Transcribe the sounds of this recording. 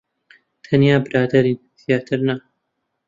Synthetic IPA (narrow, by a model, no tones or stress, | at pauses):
t̪ʰɐnjaːbɨɾaːd̪ɐɾiːnθijaːt̪ʰɨɾna